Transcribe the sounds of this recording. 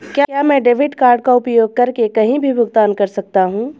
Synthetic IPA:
kjaːjaːmɛ̃ːɖeːʋɪɖkaːɾɖ̚kaʊpjoːɡ̚kɐɾkekɐɦĩbʱibʱʊɡt̪aːnkɐɾsɐk̚t̪aɦũː

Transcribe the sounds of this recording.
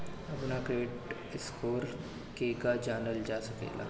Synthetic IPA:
əpnakeːʈ | ɪskʰoːɾ | kekad͡ʑanəld͡ʑasəkḛla̰

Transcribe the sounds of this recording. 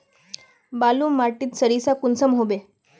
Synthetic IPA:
baluːmaʈiːt̪səɾisakunsəmɦobe

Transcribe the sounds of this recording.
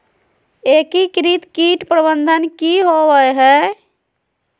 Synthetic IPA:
eːkikɾit̪kiːʈpɾəbənd̪ʱənkiɦoʋəjɦɛː

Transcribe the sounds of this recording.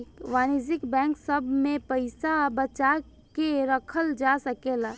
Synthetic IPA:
kʋaːnid͡ʒɪkbɛ̃ːŋksəbʱmẽpəɪsabət͡ʃa | keɾəkʰəld͡ʒasəkela

